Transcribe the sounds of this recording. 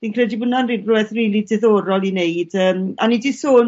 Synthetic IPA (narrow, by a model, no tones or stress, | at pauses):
dinkʰrɛdibənanriːnrʊɛðriːlˠidɛðoːɾɔlˠineɨdəːmanidisoːn